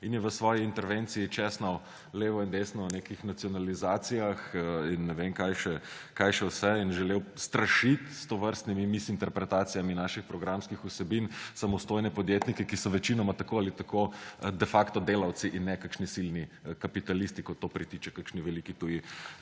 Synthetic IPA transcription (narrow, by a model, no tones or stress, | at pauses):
injɛʋəsʋɔːjiint̪ɛɾʋent̪sijit͡ʃɛsnɐw | leːʋɔind̪esnɔnekixnat̪sijɔnalizaːt̪sijaxinːɛʋeŋkajʃɛkajʃɛwsɛinʒɛlewst̪ɾɐʃit̪st̪oʋəɾst̪nimimisint̪ɛɾpɾɛt̪aːt̪sijaminaʃixpɾɔɡɾamskixusɛbinsamɔst̪oːjnɛpɔd̪jet̪nikɛkisɔʋɛt͡ʃinɔmat̪akoalit̪akod̪ɛfakt̪ɔd̪eːlaw̪siʔinːɛkakʃnisilnikapit̪alist̪ikot̪ːopɾit̪it͡ʃɛkakʃniʋɛlikit̪uji